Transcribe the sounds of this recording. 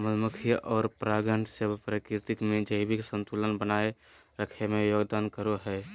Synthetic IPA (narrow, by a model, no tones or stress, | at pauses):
mlməkʰijʔɔːɾpɾaːɡəɳɖʱsebpɾəkɪɾt̪ɪkmẽd͡ʒəɪbɪksə̃nt̪ulənbənaːeɾəkʰemẽjoːɡd̪aːnkəɾoɦɛː